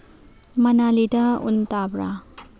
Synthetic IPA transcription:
mɐnalidaṵntabɾa̰

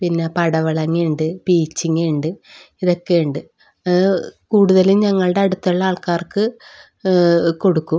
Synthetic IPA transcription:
pinːe̞pɐɽɐʋɐɭɐŋːiɳɖɨpiːt͡ɕːiŋːiɳɖɨiðokːeɳɖɨ | kuːɽuðɐlimɲɐŋːɐɭɨɽeɐɽut̪ːɐɭːɐaːɭkaːrkɨ | ko̞ɽukːum

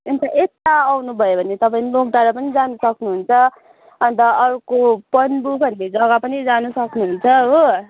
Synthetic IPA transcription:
ent̪aʔet̪aːwnubʱʌjobʱʌnet̪ʌpaĩnlok̚ɖaɾapʌnid͡zanusʌknuɦunt͡sʰʌ | ʌnt̪ʌʌɾukopʌnbukʌnled͡zʌɡapʌnid͡zanusʌknuɦunt͡sʰʌɦo

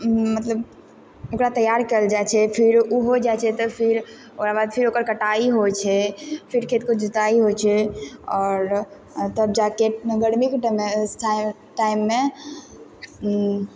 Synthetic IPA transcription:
mət̪ləb | okɾat̪əjaɾkəld͡ʒat͡ʃʰɛpʰɪɾuɦod͡ʒat͡ʃʰɛt̪ɔpʰɪɾ | oɾabad̪pʰiɾoːkəɾkəʈaiɦot͡ʃʰɛpʰɪɾkʰet̪kod͡ʒɪt̪aiɦot͡ʃʰɛɔːɾ | t̪əb̚d͡ʒakeɡəɽmikʈs | ʈaɪmːẽ

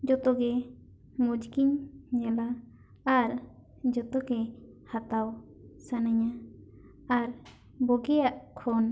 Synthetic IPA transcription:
d͡ʒɔt̪ɔɡɛ | mud͡ʒkiɲɲalaː | ɾ | d͡ʒɔt̪ɔɡɛ | hat̪aw | sanaɲa | aɾ | bɔɡɛjaʔkʰɔn

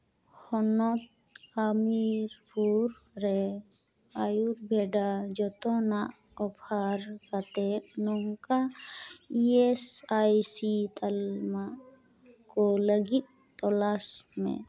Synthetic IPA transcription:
hɔnɔt̪̚ | amiɾpuɾɾɛ | ajuɾbʱeɖad͡ʒɔt̪ɔnaʔ | ɔpʰaɾkat̪ɛnɔŋka | iesajsit̪alma | kɔləɡit̪̚ | t̪ɔlasmḛ̃

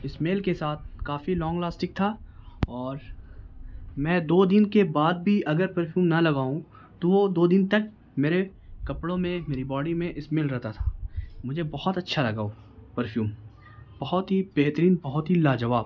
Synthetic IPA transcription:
ɪsmeːlkesaːt̪̚ʰkaːfilɔ̃ːŋɡlaːsʈɪk̚t̪ʰaɔːɾ | mɛ̃ːd̪oːd̪ɪnkebaːd̪̚bʱiʔɐɡəɾpəɾfʰjuːmnalɐɡaːũ | t̪oʋod̪oːd̪ɪnt̪ɐk̚ | meːɾe | kɐpɽõmẽmeːɾibɔːɽimẽʔɪsmeːlɾɛɦt̪at̪ʰḁmʊd͡ʒʱebɐɦɔt̪ɐtːʃʰalɐɡaːo | pəɾfʰjuːm | bɐɦɔt̪ɦibeɦt̪əɾiːnbɐɦɔt̪ɦilaːd͡ʒɐʋaːb̚

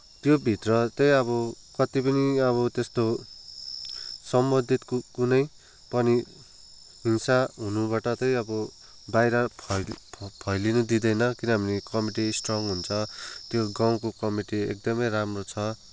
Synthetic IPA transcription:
t̪jobʱit̪rʌt̪ʌjʌβʌ | kʌt̪ipʌniʌβʌt̪est̪o | sʌmbʌd̪ʱit̪kkunʌj | pʌni | insaɦunubaʈʌt̪ʌjʌbʌ | bajɾʌpʰʌpʰʌjlinud̪id̪ʌjnʌkinʌbʱʌnikʌmiʈisʈrʌŋɦunt͡sʰʌt̪joɡaw̃kokʌmiʈiḛk̚d̪ʌmʌjramrot͡sʰʌ

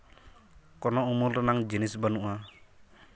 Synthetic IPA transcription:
kɔnɔumulɾanaŋd͡ʒinisbanuʔa

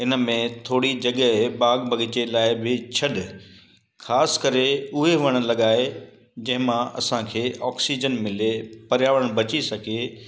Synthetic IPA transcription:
ɪnə̆mẽt̪ʰoːɽid͡ʑɐɠəbaːɡbʱɐɡɪt͡ɕelaːɪbɪt͡ɕʰɐɗɪ | xʰaːsɪ̥kɐɾeʊɦeʋɐɽ̃ə̆lɐɠaːe | d͡ʑɐ̃ɦɪ̃mãɐ̰sãkʰeːʔɔːksid͡ʑənmɪlepɐɾjaːʋəɽ̃bɐt͡ɕisɐɡʱe

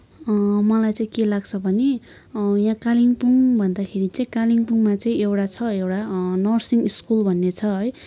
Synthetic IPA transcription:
mʌlajt͡saĩkelaɡt͡sʰʌbʱʌne | jãkaliŋpuŋbʱʌnd̪akʰeɾit͡saĩkaliŋpuŋmat͡sʌĩewʈat͡sʰʌewʈanʌrsiŋɡiskulbʱʌnːet͡sʰʌɦʌj

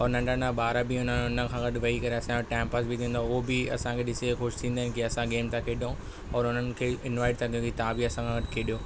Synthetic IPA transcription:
ɔːɾnɐ̃ɳɖənabaːɾabɪʊnəʊnə̆kʰãːɡɐʈʋɐɦikɐɾeɐsãoʈɛ̃ːmpəsbit̪ʰĩːnd̪aʊɦobɪɐ̰sãkʰeːɗɪsexʊʃt̪ʰĩːnd̪aɦɪ̃nɪkiɐsãɡeːmt̪ãkʰeːɗõ | ɔːɾʊn̤ənɪ̆kʰeːɪnʋaːɪʈ̚t̪ʰɐɡijõkit̪aãbiɐsãkʰãːɡɐɗkʰeːɗijoː

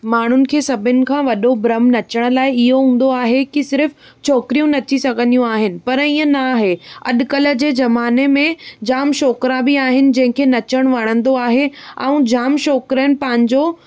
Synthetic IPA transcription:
maːɳ̤ʊnɪ̆kʰeːsɐbʱɪnɪ̆kʰãːʋɐɗobɾɐmnɐt͡ɕəɽ̃̆laːɪɪɦoɦũːn̆d̪oaːɦekisɪɾf | t͡ɕʰoːkɾijũnɐt͡ɕisɐɡʱə̃nd̪ijũaːɦɪnɪ̆pɐɾiːə̃naɦeɐ̰ɗkɐlə̆d͡ʑeːzɐmaːnemẽd͡ʑaːmʃɔːkɾãbɪaːɦɪnɪ̆d͡ʑɐ̃ɦɪ̃kʰeːnɐt͡ɕəɽ̃ʋaɽ̃ə̃nd̪oaːɦeã̰ũd͡ʑaːmʃɔːkɾənɪ̆pɐ̃ɦɪ̃ɲd͡ʑoː

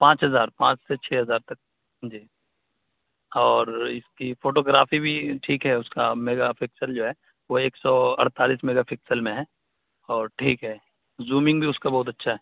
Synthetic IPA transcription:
pãːt͡ʃɦɐzaːɾpãːt͡ʃset͡ʃʰɛːɦɐzaːɾt̪ɐk̚ː | d͡ʒiː | ɔːɾɪskifoːʈoːɡɾaːfibʱiʈʰiːkɦɛʊskameːɡafɪksəld͡ʒoːɦɛː | ʋoeːksɔːɐ̰ɽ̤t̪aːliːsmeːɡapʰɪksəlmẽɦɛː | ɔːɾʈʰiːkɦɛː | zuːmɪ̃ŋɡbʱiʊskabɐɦʊt̪̬ɐtːʃʰaɦɛː

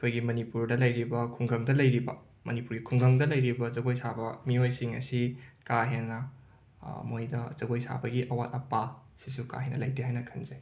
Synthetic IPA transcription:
kʰojɡimɐnipuɾdɐlɐjɾibɐkʰuŋɡɐŋdɐlɐjɾibɐ̰ | mɐnipuɾɡikʰuŋɡɐŋdɐlɐjɾibɐzɐɡojsabɐmiojsiŋɐ̰sikaɦenːɐ | mojdɐzɐɡojsa̰bɐɡiʔɐwat̚ɐpa | sisuka̰ɦenɐlɐjtʰeɦajnɐkʰɐnzɐj

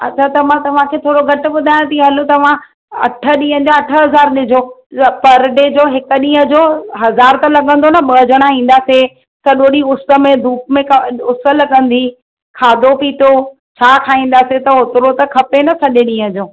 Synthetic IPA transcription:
ɐ̰t͡ɕʰat̪ɐmãt̪ɐʋ̤ãkʰeːt̪ʰoːɽoɡʱɐʈʊ̆ɓʊd̪ʱaːj̃t̪iɦɐlut̪ɐʋ̤ã | ɐ̰ʈʰə̆ɗĩːɦə̃d͡ʑoɐʈʰə̆ɦɐzaːɾɗɪd͡ʑʱopɐɾɖed͡ʑoːɦɪkʊ̆ɗĩːɦə̃d͡ʑoːɦɐzaːɾt̪ɐlɐɠə̃nd̪onɐɓɐːd͡ʑʱəɽ̃aɦĩːn̆d̪aːse | sɐɗoːɗiʊsə̆mẽd̪ʱuːp̚mẽkɐʊsə̆ləɠə̃nd̪i | kʰaːd̪ʱopiːt̪o | t͡ɕʰaːkʰaːĩːn̆d̪aːset̪ɐʊt̪ɪɾot̪ɐkʰɐpenɐsɐʄɪɗĩːɦə̃d͡ʑoː

